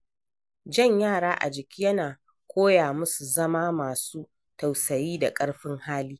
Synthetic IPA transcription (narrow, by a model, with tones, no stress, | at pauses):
d͡ʒɐ˦˨ɲjaː˦˨ɽaː˦ʔa̰˨d͡ʒɪ˨kʲiː˦jɐ˦naː˨ | kʷʰoː˦jaː˨mʊ˦su˨zɐ˦maː˦maː˨suː˦ | ta˨wsɐ˨jiː˦da˨kʼɐ˦ɽɸɪ˦ŋhaː˦liː˦